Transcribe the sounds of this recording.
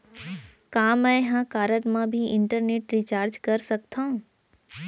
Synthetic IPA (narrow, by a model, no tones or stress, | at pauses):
kaːmɛ̃ɦãkaːɾəʈmãbʱiʔɪɳʈəɾneːʈɾit͡ʃaːɾd͡ʒkɐɾsɐkt̪ʰãũ